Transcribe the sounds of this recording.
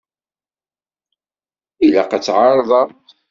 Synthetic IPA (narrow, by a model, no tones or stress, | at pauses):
ila̰qat͡sːʕɑɾˤðˤɑ